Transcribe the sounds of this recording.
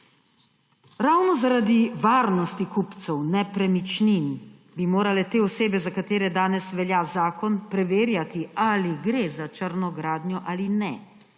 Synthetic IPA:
ɾawnɔzaɾad̪iʋaːɾnɔst̪ikupt̪sɛwnɛpɾɛmit͡ʃnin | bimoːɾalɛt̪eːɔseːbɛzakat̪eːɾɛd̪aːnɛsʋɛljazaːkɔnpɾɛʋeːɾjat̪ialiɡɾezat͡ʃəɾnɔɡɾaːd̪njɔʔalinɛ

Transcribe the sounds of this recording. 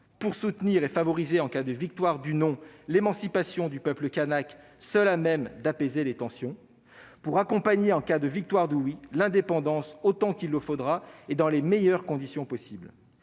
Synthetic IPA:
puʁsut̪niʁefavɔʁizeɑ̃kad̪əvik̚t̪waʁd̪ynɔ̃lemɑ̃sipasjɔ̃d̪ypœpləkanak | sœlamɛmd̪apezelet̪ɑ̃sjɔ̃ | puʁakɔ̃paɲeɑ̃kad̪əvik̚t̪waʁd̪əwilɛ̃d̪epɑ̃d̪ɑ̃sot̪ɑ̃kʲilːəfod̪ʁaed̪ɑ̃lemɛjœʁkɔ̃d̪isjɔ̃pɔsibl

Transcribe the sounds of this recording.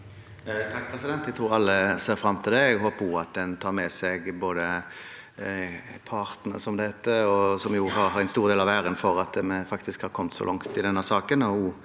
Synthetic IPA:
t̪ʰɑk̚ːpʰɾɛsɪd̪ɛnt̪æt̪ʰɾuːɾɑlːəseːɾfɾɑmːt̪ʰɪld̪ɛɛɡɦoːpuɑt̪̚d̪ɛnt̪ʰɑːɾmɛsɛɡboːd̪ə | pʰɑʁt̪nə̰sɔmd̪ɛhɛt̪əɔsɔmjʊɦɑɾɦɑɾɛnst̪uːʁd̪eːlɑʋæːɾənfɔɾɑt̪̚d̪ɛmɛfɑkt̪ɪskhɑɾkʰɔmt̪sɔ̰lɑŋt̪ɪd̪ɛnːəsɑːkənɔuː

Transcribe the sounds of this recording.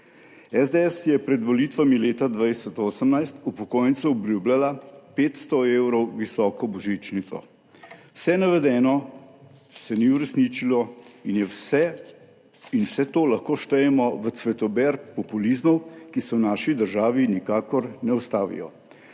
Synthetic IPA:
ɛzd̪eɛsjɛpɾɛd̪ʋɔlit̪ʋamileːt̪ad̪ʋaːjsɔt̪oːsəmnajst̪upɔkoːjənt̪suɔbluːblʲalapeːt̪st̪ɔewɾɔwʋisɔːkɔbɔʒit͡ʃnit̪sɔ̰ | wsɛnaʋɛd̪ɛːnɔ | sɛniuɾɛsniːt͡ʃilɔinjɛwsɛ | inwsɛt̪oːlaxkoːʃt̪ɛjɛmɔʋət̪sʋɛt̪ɔbɛɾkpɔpulizmɔwkisɛwnaːʃid̪əɾʒaːʋinikaːkɔɾnɛɔst̪aːʋḭjɔ̰

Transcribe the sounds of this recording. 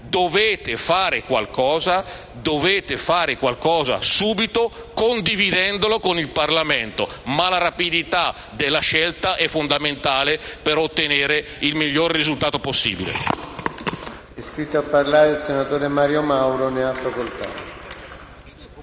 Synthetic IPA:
d̪oveːt̪efaːɾekwa̰lkɔːza | d̪oveːt̪efaːɾekwalkɔːza̰suːbit̪o | kond̪ivid̪ɛnd̪olokonilparlamɛnt̪o̰malaɾapid̪it̪a | d̪elːaʃɛlt̪aʔɛfond̪ament̪aːlepeɾot̪ːeneːɾe | ilmiʎːorːizult̪aːt̪oposːḭːbilḛ | ɛskɾit̪ːoapːarlaːɾeilsenat̪oːɾemaːɾjomawɾoneafːakolt̪a̰t̪

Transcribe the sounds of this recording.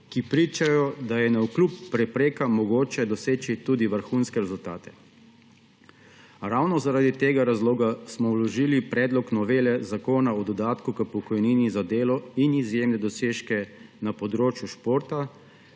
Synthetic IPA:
kipɾiːt͡ʃajɔd̪ajɛnaukluːpːɾɛpɾeːkamɔɡoːt͡ʃɛd̪ɔseːt͡ʃit̪uːd̪iʋəɾxunskɛɾɛzult̪aːt̪ɛ̥ | ɾawnɔzaɾad̪it̪eːɡaɾazloːɡasmɔwlɔʒiːlipɾɛːd̪lɔknɔʋeːlɛzakoːnaɔd̪ɔd̪aːt̪kukəpɔkɔjniːnizad̪eːlɔinizjemnɛd̪ɔseːʃkɛnapɔd̪ɾoːt͡ʃjuʃpoːɾt̪a

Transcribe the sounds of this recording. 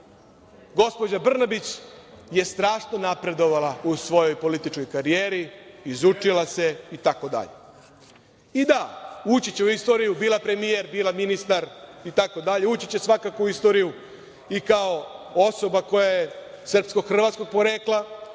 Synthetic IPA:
ɡo̞spo̞d͡ʑabr̩nabit͡ɕje̞st̪ɾaːʃno̞napɾe̞d̪o̞ʋalausʋo̞jo̞jpo̞lit̪it͡ʃko̞jkaɾijeːɾiizut͡ʃilase̞it̪ako̞d̪a̰ʎḛ | id̪aut͡ɕit͡ɕeuist̪o̞ːɾijubiːlapɾe̞mijeɾbiːlaminist̪aɾit̪ako̞d̪aʎe̞uːt͡ɕi̥t͡ɕesʋakakouist̪o̞ːɾiju | ikao̞o̞so̞bako̞jaje | srpsko̞ɡxr̩ʋat̪sko̞ɡ̚po̞ɾeklˠa

